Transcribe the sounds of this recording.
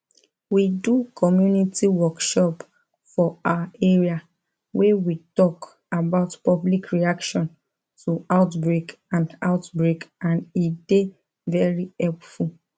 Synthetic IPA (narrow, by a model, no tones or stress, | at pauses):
widukʰɔmjunitiwɔkʃɔp | fɔaeɹia | wɛwitɔk | abaʊtpɔblikɹiakʃɔ̃n | tʰuaʊtbɹek | ãnda̰ʊtbɹekãndide | vɛɹihɛlpful